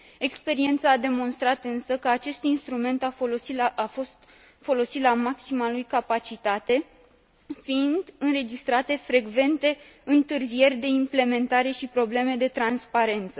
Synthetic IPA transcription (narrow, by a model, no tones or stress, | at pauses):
e̞kspe̞ɾie̞nt̪saːd̪e̞mo̞nst̪ɾat̪ɨnsəkəat͡ʃe̞st̪inst̪ɾume̞nt̪aosiafo̞st̪ | fo̞lo̞sit̪lamaksimalujkapat͡ʃit̪at̪e̞ | fiind̪ɨnɾe̞d͡ʒist̪ɾat̪e̞fɾe̞ɡve̞nt̪e̞ɨnt̪ɨrzije̞rʲd̪e̞imple̞me̞nt̪aɾe̞ʃipɾo̞ble̞me̞d̪e̞t̪ɾanspaɾe̞nt̪sə